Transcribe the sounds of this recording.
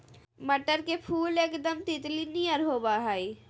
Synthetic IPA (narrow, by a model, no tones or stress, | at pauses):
məʈəɾkepʰuːleːkd̪əmt̪ɪt̪liniəɾɦoːbaɦai